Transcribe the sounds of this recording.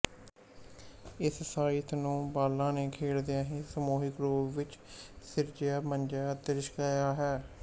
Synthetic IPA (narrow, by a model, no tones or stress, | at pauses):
ɪssaːiːt̪ʰnũːbaːlːãːneːkʰeːɽd̪ɪjãːɦẽːsəmoːɦikɾoːʋɪt͡ʃsɪɾd͡ʒjaːmənd͡ʒaːd̪əɾɪʃkaːjaːɦɛː